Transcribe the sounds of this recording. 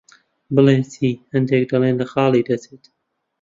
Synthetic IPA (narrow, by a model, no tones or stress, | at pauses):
bɨleːnsʰiːhɐnd̪eːk̚d̪ɐleːnlɐxɑːlˠiːd̪ɐt͡seːt̪